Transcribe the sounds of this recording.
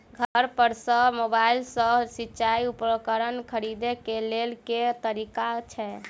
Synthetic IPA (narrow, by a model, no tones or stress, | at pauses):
ɡʱəɾpəɾsə̃mobailsə̃sitːt͡ʃaiupɾəkəɾənkʰəɾid̪ekelelket̪əɾikat͡ʃʰɛ